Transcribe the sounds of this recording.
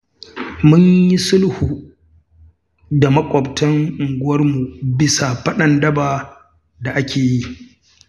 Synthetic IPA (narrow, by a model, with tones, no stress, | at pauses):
mʊ˦ɲji˦sʊ˦lhu˨ | da˨mɐ˦kʷʼɔ˨btʰɐ˦ŋʔɪ˨ŋɡʷʊ˦wɐ˦rmu˨bɪ˦sa˨ɸɐ˦ɗɐ˦˨ndɐ˦baː˨ | da˨ʔa˦kʲʰeː˨ji˦